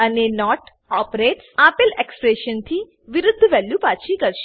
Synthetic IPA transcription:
ənenɔːʈ | ɔpɾeʈsapelekspɾeʃənt̪ʰi | ʋɪɾʊd̪ʱːəʋɛljupat͡ʃʰikəɾʃ

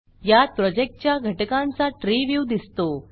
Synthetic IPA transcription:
jat̪̚pɾɔd͡ʑek̚ʈ̚t͡ɕjaɡʱəʈkãnt͡saʈɾiʋjud̪ist̪o

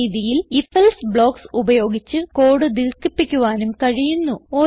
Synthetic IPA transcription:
iːðijilifɐlsbɭo̞ːksubɐjo̞ːɡit͡ɕːɨko̞ːɽɨd̪irkipːikʲːuʋaːnumkɐɻijunːuo̞ː

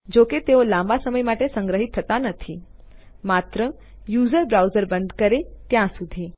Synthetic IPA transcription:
d͡ʑoket̪eolãmbasəməjmaʈesə̃ŋɡɾəɦit̪ʰːət̪anət̪ʰi | mat̪ɾə | juːzəɾbɾawzəɾbənd̪kəɾet̪jãsud̪ʱi

